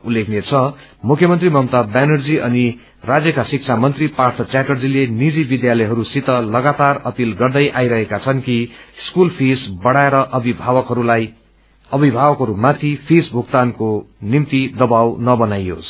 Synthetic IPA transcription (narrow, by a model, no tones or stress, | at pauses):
ulːekʰnet͡sʰʌmukʰjʌmʌnt̪rimʌmt̪abanʌrd͡ziʔʌni | rad͡zjʌkasik̚t͡sʰamʌnt̪ripart̪ʰʌt͡sjaʈʌrd͡zilenid͡zibid̪jalʌjɦʌɾusit̪ʌlʌɡat̪arʌpilɡʌrd̪ʌjʔajɾʌɦekat͡sʰʌnkiskulpʰisbʌɽaeɾʌʔʌbibʱawʌkɦʌɾulaj | ʌbʱibʱawʌkɦʌɾumat̪ʰipʰesbʱuk̚t̪ankonimt̪id̪ʌbawnʌbʌnajo̰s